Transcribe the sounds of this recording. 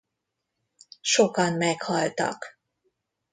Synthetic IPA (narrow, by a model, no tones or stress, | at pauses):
ʃokɒnmɛkhɒlt̪ɒ̰k